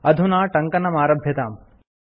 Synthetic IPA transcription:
ɐd̪ʱunaːʈɐŋkɐnɐmaːɾɐbʱjɐt̪a̰ːm

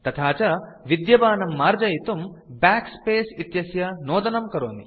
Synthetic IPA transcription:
t̪ɐt̪ʰaːt͡ʃɐ | ʋid̪jɐbaːnɐmːaːɾd͡ʒɐjit̪umbaːkspeːsit̪jɐsjɐnɔːd̪ɐnɐmkɐɾoːni

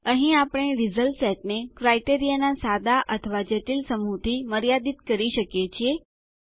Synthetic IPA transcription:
əɦĩapɽ̃eɾizəlsɛʈ̚nekɾaiʈeɾijanasad̪aʔət̪ʰəʋad͡ʒeʈilsəmut̪iməɾjad̪it̪kəɾiʃəkjet͡ʃʰie

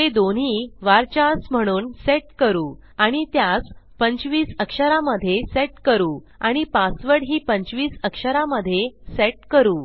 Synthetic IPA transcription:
t̪ed̪onɦiːʋaɾt͡ɕasm̤əɽ̃uːnseʈkəɾuː | aɽ̃it̪jaspəɲt͡ɕʋiːsəkʂəɾaməd̪ʱːjeseʈkəɾuː | aɽ̃ipasʋəɾɽɦiːpəɲt͡ɕʋiːsəkʂəɾaməd̪ʱːjeseʈ̚kəɾuː

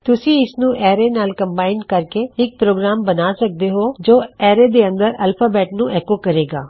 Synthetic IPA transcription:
t̪ʊsĩːɪsnũːʔɛːɾeːnaːlkəmbaːɪnɖkəɾkeːɪk̚pɾoːɡɾaːmbənaːsək̚d̪eːɦoːd͡ʒoːɛːɾeːd̪eːə̃nd̪əɾəlpʰaːbɛːʈnũːʔɛːkoːkəɾeːɡaː

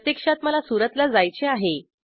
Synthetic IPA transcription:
t̪jekʂat̪məlasuɾət̪lad͡zajt͡seaɦe

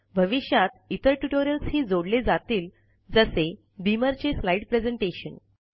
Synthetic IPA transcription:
bʱəʋiɕjat̪̚it̪əɾʈuʈoɾijəlshiːd͡zoɽled͡zat̪iːl | d͡zəse | d̪iməɾt͡ɕeslaiɖpɾed͡zeɳʈeɕə̰n

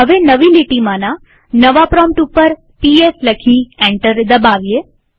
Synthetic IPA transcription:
ɦəʋenəʋiliʈimãna | nəʋapɾɔmʈupəɾ | piesləkʰiɛ̃ɳʈəɾd̪əbaʋije

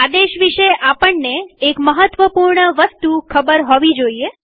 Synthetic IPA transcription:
ad̪eʃʋiʃeʔapəɳːeːkməɦət̪ʋəpuɾɳəʋəst̪ukʰəbəɾɦoʋid͡ʒoie

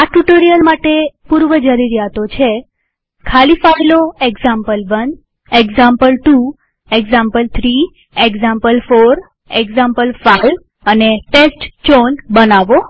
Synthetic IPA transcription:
aʈuʈoɾijəlmaʈepuɾʋəd͡ʒəɾiɾjat̪ot͡ʃʰe | kʰalifajloeɡzampəlʋən | eɡzampəlʈu | eɡzampəlt̪ʰɾi | eɡzampəlfoɾ | eɡzãmpəlfaiʋ | əneʈesʈt͡ʃonbənaʋo

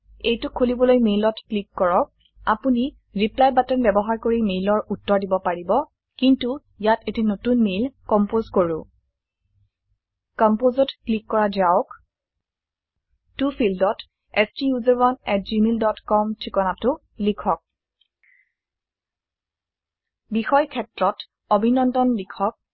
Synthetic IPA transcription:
ejtʊkʰolibɔlojmejlɔtklikːɔɹɔk̚ | a̰puni | ɹiplajbatɛnbɛbɔɦaɹkoɹimelɔɹutːɔɹdibɔpaɹibɔ | kintu | jatetinotunmelkɔmpozkoɹʊ̃ | kɔmpozɔtklikːɔɹad͡ʒaʊk | tupʰilddɔt | ɛstijuzɛɹwanɛt̚d͡ʒimildɔtkɔmtʰɹikɔnatʊ | likʰɔk̚ | bixɔjkʰɛtɹɔt | obʱinɔndɔnlikʰɔk̚

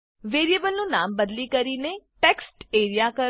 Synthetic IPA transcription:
ʋeːɾiebəlnũːnaːmbəd̪liːkəɾiːneʈɛːksʈeːɾijaːkə

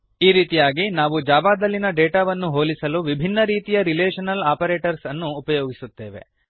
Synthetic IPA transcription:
iːɾiːt̪ijaːɡinaːʋud͡ʒaːbaːd̪ɐlːinɐɖeːʈaːʋɐnːuɦoːlisɐluʋibʱinːɐɾiːt̪ijɐɾileːʃɐnɐlaːpɐɾeːʈɐɾsɐnːuːpɐjoːɡisut̪ːe̞ːʋe̞̰

